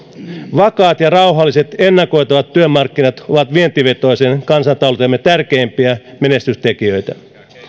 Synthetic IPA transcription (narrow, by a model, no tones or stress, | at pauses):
ʋɑkɑːt̪jɑrɑwɦɑlːise̞t̪enːɑko̞jt̪ɑʋɑt̪ːyømːɑrkːinɑt̪o̞ʋɑt̪ʋient̪iʋe̞t̪o̞isenkɑnsɑnt̪ɑult̪emːet̪ærkeːmpiæmene̞st̪yst̪ekiøjt̪æ